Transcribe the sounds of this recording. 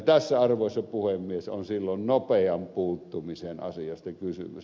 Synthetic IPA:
t̪æsːæɑrʋoˑesːɑpuhemːieso̰nsilːonnopeɑmpuːt̪ːumisenɑ̰siɑst̪ɑkysy̰my̰s

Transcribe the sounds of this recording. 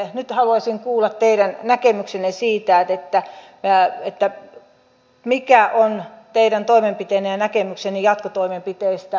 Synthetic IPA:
nyt̪hɑluɑsʲiŋkuːlːɑt̪t̪eiɾænnækemyksenesiːt̪æːt̪et̪ːæ | et̪ːæ | mikæʔont̪eiɾænt̪oimempit̪einːejɑnækemyksenijɑt̪kot̪oimempit̪eist̪æ

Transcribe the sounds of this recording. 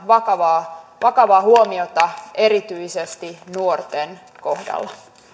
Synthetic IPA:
ʋɑkɑʋɑːʋɑkɑʋɑːhuomiot̪ɑe̞ɾit̪yisest̪inuort̪en | ko̞hdɑ̰lːɑ

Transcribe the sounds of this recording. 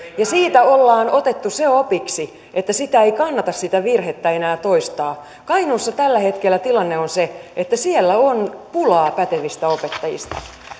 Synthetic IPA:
jɑsiːt̪æolːɑːnot̪et̪ːuseopiksi | ʔet̪ːæsit̪æeikɑnːɑt̪ɑssit̪æʋirhet̪ːæenæːt̪o̞ist̪ɑː | kɑinuːsːɑt̪ælːæhe̞t̪kelːæt̪ilɑnːeonseet̪ːæsielːæonpulɑːpæt̪eʋist̪æopet̪ːɑjḭst̪ɑ̰

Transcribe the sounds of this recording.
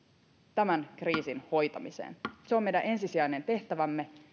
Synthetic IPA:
t̪æmænkriːsinho̞jt̪ɑmisḛːnseomejdænʔe̞nsisiæjne̞nt̪e̞ht̪æʋæmːe̞

